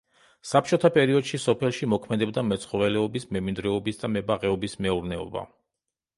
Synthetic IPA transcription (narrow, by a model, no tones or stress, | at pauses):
sap̚t͡ʃʰʼɔt̪ʰapʼɛɾiɔd̪̥ʃisɔpʰɛlˠʃimɔkʰmɛd̪ɛbd̪amɛt̪sʰχɔvɛlɛɔbismɛmind̪ɾɛɔbisd̪amɛbaʁɛɔbismɛuɾnɛɔ̰ba̰